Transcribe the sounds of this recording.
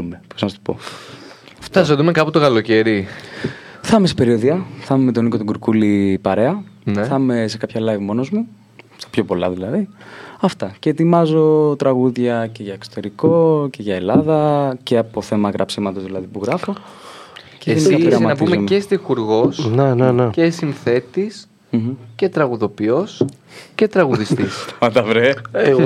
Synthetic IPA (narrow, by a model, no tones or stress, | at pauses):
umeposnɐst̪u̥po̞̰ | ft̪ɐsot̪umekɐput̪okɐlo̞ce̞ɾi | θɐmesi̥pe̞ɾioðiɐθɐmemet̪o̞niko̞t̪oɡuɾkulipɐɾe̞ɐneθɐme̞se̞kɐpçɐlɐjvmo̞no̞zmu | st̪ɐ̥pço̞po̞lɐ̰ðilɐðiɐft̪ɐce̞ːt̪imɐzo̞t̪ɾɐɣuðʝɐce̞ʝɐekso̥t̪e̞ɾiko̞ce̞ʝɐe̞lɐðɐce̞ɐpo̞θe̞mɐɣɾʔɐ̰psimɐt̪o̞zðilɐðipuɣɾɐfo̞ | ceʝeniɐiɾɐmmɐɐt̪iumemest̪ixuɾɣo̞snenenecesinθe̞t̪is | mç̩cet̪ɾɐɣuðo̞pio̞sce̞t̪ɾɐɣuðist̪isɐt̪ɐvɾeɣ